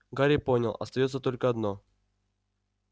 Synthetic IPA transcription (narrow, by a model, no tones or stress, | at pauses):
ɡaɾʲɪponʲəlˠɐ̰st̪ɐjot̪sət̪olʲkəɐd̪no